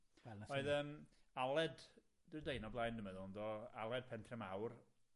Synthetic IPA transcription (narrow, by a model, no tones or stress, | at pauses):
wɛlˠnaɔɨðəːmalˠɛd | d̥ɪdejnɔblˠajndəmɛðɔndɔa̰lˠɛd̥̚pʰɛntʰrɛmawr